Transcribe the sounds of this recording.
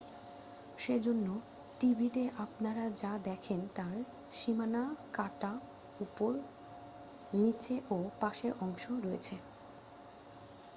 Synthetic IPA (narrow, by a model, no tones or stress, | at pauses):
ʃed͡ʑonːo | ʈibʱit̪eʔapnaɾad͡ʑad̪ɛkʰent̪aɾ | ʃimanakaʈa | upoɾ | nit͡ɕeʔopaʃeɾʔɔŋʃoɾoḛt͡ɕʰe